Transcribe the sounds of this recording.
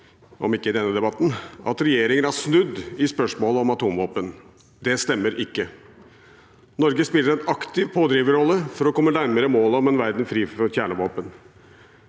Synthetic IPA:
ɔ̰mɪkːəɪd̪ɛnːəd̪ɛbɑt̪ːn̩ʔɑ̰t̪ɾɛjeːɾɪŋənæʂnʉd̪ːɪspœʂmoːləɔmɑt̪uːmʋoːpən | d̪ɛst̪ɛmːəɾɪkːə | nɔɾɡəspɪlːəɾɛnɑkt̪ɪʋpʰoːd̪ɾiːʋəɾɔlːəfɔɾɔkʰɔmːənæɾməɾəmoːlɔmɛnʋæɾd̪nfɾiːfɔɾçæːɳəʋoːpən

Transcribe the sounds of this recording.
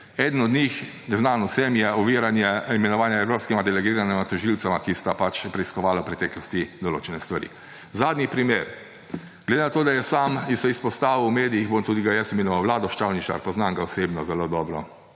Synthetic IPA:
ɛd̪ən̩ɔd̪nʲix | nɛznanɔsɛmjɛɔʋiːɾanjɛimɛnɔʋaːnjaɛwɾoːpskɛmad̪ɛlɛɡiːɾanɛmat̪ɔʒilt̪samakist̪apat͡ʃjɛpɾɛiskɔʋaːlawpɾɛt̪ɛːklɔst̪id̪ɔloːt͡ʃɛnɛst̪ʋaɾḭ | zaːd̪nipɾimeːɾ | ɡled̪enat̪oːd̪ajɛsaːmisɛispɔst̪aːʋiwmeːd̪ijiɣbomt̪uːd̪iɡajɛsimenɔʋawlaːd̪ɔʃt̪awnit͡ʃa̰ɾpɔznaŋɡaɔseːbnɔzɛlod̪ɔːbɾɔ

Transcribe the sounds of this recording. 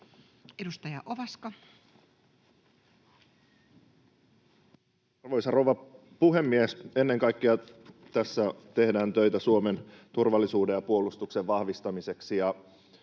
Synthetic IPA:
edust̪ɑjɑʔoʋɑskɑ | ɑrʋo̞jsɑrowʋɑ | puɦe̞mːiese̞nːe̞ŋkɑjkːeɑt̪æsːæt̪e̞hdæːnt̪ø̞jt̪æsuome̞nt̪urʋɑlːisuːde̞jɑpuo̞lust̪ukseʋʋɑhʋist̪ɑmise̞ksijɑ

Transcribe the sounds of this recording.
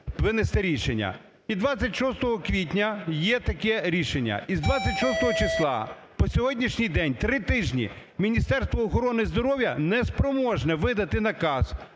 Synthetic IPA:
ʋɪnest̪ɛɾʲiʃenʲːɐ̰ | id̪ʋat͡sʲɐtʲʃɔst̪ɔɦɔkʋʲit̬ʲnʲɐjɛt̪ɐkɛɾʲiʃenʲːɐ̰izd̪ʋat͡sʲːɐtʲʃɔst̪ɔɦɔt͡ʃɪslˠɑ̰ | pɔsʲɔɦɔdʲnʲiʃnʲijd̪ɛnʲt̪ɾɪt̪ɪʒnʲḭ | mʲinʲist̪ɛrst̪ʋɔːxɔɾɔnɪizd̪ɔɾɔʋjɐnɛspɾɔmɔʒnɛʋɪd̪ɐt̪ɪnɐkɑz̥

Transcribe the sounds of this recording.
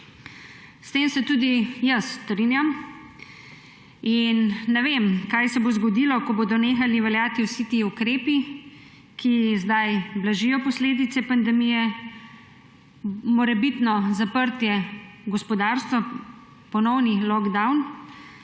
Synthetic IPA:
st̪eːmsɛt̪uːd̪ijəsːt̪ɾinjam | inːɛʋeːmkajsɛbozɡɔd̪ilɔkɔboːd̪ɔneːxaliʋɛljaːt̪iwsit̪iukɾeːpi | kʰizd̪ajblaʒijɔpɔsleːd̪it̪sɛpand̪ɛmijɛ | mɔɾɛbit̪nɔzapəɾt̪jɛɡɔspɔd̪aːɾst̪ʋa | pɔnɔwnilɔɡd̪awn

